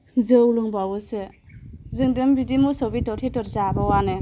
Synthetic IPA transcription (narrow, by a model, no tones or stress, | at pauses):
zɯwluŋbawusɯ | zɯŋdɯmbidimusawbitɔtʰetɔɾzabawanɯ